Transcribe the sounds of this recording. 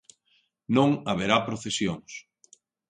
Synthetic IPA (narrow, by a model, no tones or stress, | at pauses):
nõŋaβeɾapɾoθesjoŋs